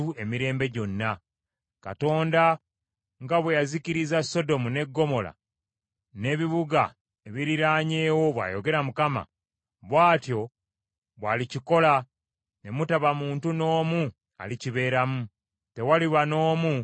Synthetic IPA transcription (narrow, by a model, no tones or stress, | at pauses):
ue̞miɾe̞ːmbe̞ɟo̞nːa | ka̰to̞ːnda | ŋɡaβwejaziciɾizasːo̞do̞mune̞ɡːo̞mo̞la̰ | ne̞ːβiβuɡa̰ | eβiɾiɾaːɲeːwo̞βwa̰ːjo̞̰ɡe̞ɾamukama̰ | βwaːtjo̞ | βwaːliciko̞la | ne̞mutaβamuːntuno̞ːmu | a̰liciβe̞ːɾamu | te̞waliβano̞ːmu